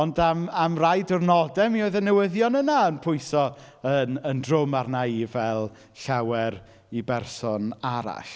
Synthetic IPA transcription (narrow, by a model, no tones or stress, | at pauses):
ɔndamamrajdɔrnɔdɛmioɨðənɛwɪðjɔnənaənpʰʊɨsɔ | ənəndrʊmarnaivɛlˠ | ɬawɛɾ | ibɛrsɔnaɾa̰ɬ